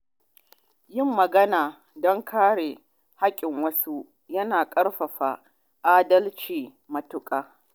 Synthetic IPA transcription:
jɪ˦mːɐ˨ɡɐ˦naː˨ | dɔ˦ŋkʰaː˦ɽe˨ | ha˦kʲʼɪ˨ŋwɐ˦su˦ | jɐ˦naː˨kʼɐ˦ɽɸɐ˨ɸa˨ | ʔaː˦dɐ˦lt͡ʃiː˨ | mɐ˨tʊ˦kʼaː˨

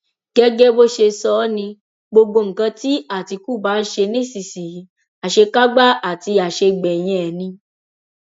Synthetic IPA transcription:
ɡ̥ɛ˦ɡɛ˦bo˦ʃe˧sɔ˦nĩ˧ | ɡ͡bo˧ɡo˧ŋ̩˨kã˧ti˦a˦˨ti˧ku˦˨ba˨˦n̩˦ʃe˧nĩ˦˨si˨si˨i˨˦ | a˨ʃe˧ka˦ɡ͡ba˦a˨ti˧a˨ʃe˧ɡ͡bɛ˨j̃ɛ̃˧ɛ˨nĩ˧

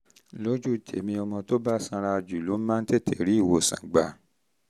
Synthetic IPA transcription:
lo˦d͡ʒu˦˨d͡ʒe˨˦mĩ˧ɔ˧mɔ̃˧to˦ba˦˨sã˧ɾa˧d͡ʒu˨lo˨˦mã˦n̩˦te˦˨tʰe˨ɾi˨˦i˦˨wo˧˨sã̰˨ɡ͡ba˨

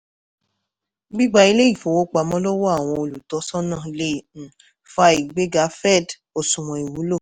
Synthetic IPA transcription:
ɡ͡bi˦ɡ͡ba˧i˧le˦i˦˨fo˨wo˦k͡pa˨˧˦mɔ̃˦lɔ˦wɔ˦a˦˨w̃ɔ̃˧o˧˨lu˨tɔ˨˦sɔ˦nã˦˨˧lẽ˦˨ | fa˧˦i˨ɡ͡be˨˦ɡa˨˦fɛ˦˨d | o˨sũ˨w̃ɔ̃˨i˨wu˨˦lo˦˨

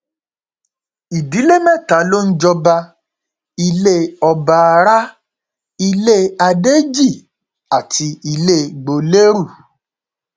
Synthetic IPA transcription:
i˨di˨˦le˦mɛ̃˦˨ta˨˦lo˦n̩˦d͡ʒɔ˧ba˧ | i˧le˦ɔ˧ba˧˨˧ɾa˦ | i˧le˦a˧de˦d͡ʒi˦˨ | a˨tʰi˧i˧le˦ɡ͡bo˧le˦ɾu˦˨

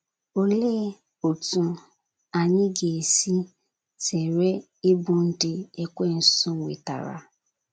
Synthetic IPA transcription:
o˦le˦ | o˨tũ˧ | a˨ɲɪ̃˦ɡe˨si˦ | sɛ˨ɾe˦ | i˦bũ˦n̩˦di˦ɛ˦kʷe˦˨n̩˦ssũ˦˨ḭ˨ta̰˨ɾa̰˨˦

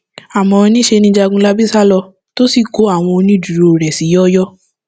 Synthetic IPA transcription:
a˨mɔ̃˨˧nĩ˦ʃe˧nĩ˧˦d͡ʒa˧ɡũ˦la˦bi˦sa˦lɔ˧ | to˦si˦˨ko˨˦a˦˨w̃ɔ̃˧o˧nĩ˦du˨ɾo˨ɾɛ˨si˨˦jɔ˦jɔ˦

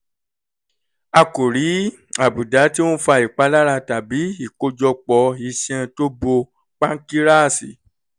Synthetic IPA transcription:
a˧ko˨ɾi˨˦ | a˨bu˨da˨˦ti˦wõ˦fa˧˨i˨k͡pa˨˦la˦ɾa˧ta˨bi˨˦i˦˨ko˧d͡ʒɔ˧k͡pɔ˧˦i˧sɛ̃˧to˦bo˧ | k͡pã˦ŋ˦ki˦ɾa˦˨si˨

